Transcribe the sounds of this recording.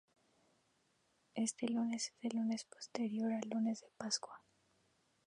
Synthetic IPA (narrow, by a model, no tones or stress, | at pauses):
e̞st̪e̞lune̞sezðelunespo̥st̪e̞ɾjo̞ɾalːune̞zðepaskwa